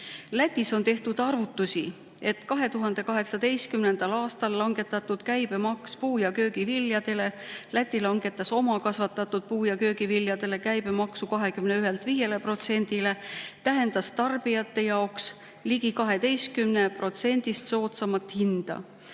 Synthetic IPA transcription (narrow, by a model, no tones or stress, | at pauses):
læt̪ʲːˑiso̞nt̪e̞ht̪ud̪ɑrvut̪ːˑusi | e̞t̪kɑɦe̞t̪uɦɑnd̪̥e̞kɑɦe̞ksɑd̪e̞jst̪kymne̞nd̪̥ɑlɑːst̪ɑlːɑŋɡ̥e̞t̪ːˑɑt̪ːˑud̪̥kæjbe̞mɑkspuːjɑkø̞ːɡ̥iviljɑd̪̥e̞le̞læt̪ʲːˑilɑŋɡ̥e̞t̪ːˑɑso̞mɑkɑsvɑt̪ːˑɑt̪ːˑud̪̥̚puːjɑkø̞ːɡiviljɑd̪̥e̞le̞kæjb̥e̞mɑksukɑɦe̞kymne̞yɦelt̪viːje̞le̞pro̞t̪se̞nʲd̪̥ile̞t̪æɦe̞nd̪̥ɑst̪ɑrb̥ijɑt̪ːˑe̞jɑoks | liɡ̥ikɑɦe̞d̪e̞jst̪̚kymne̞pro̞t̪se̞nʲd̪̥ist̪so̞ːt̪sɑmɑt̪hind̪̥ɑ̰